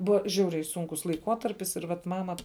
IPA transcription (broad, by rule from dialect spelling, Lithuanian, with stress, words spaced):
ˈbʊʋɐ ˈʒʲɛʊrʲɛɪ ˈsʊŋkʊs lˠɐɪˈkuɔtɐrʲpʲɪs ɪr ˈʋɐt ˈmɑːmɐ